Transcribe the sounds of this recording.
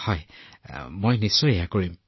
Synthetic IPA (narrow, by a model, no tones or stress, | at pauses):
hɔj | mojnisːɔjejakoɹim